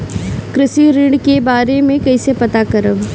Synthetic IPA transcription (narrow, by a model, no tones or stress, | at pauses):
kɾɪsiɾɪ̃ɳɖkebaːɾemẽkɐisepɐt̪akɐɾəb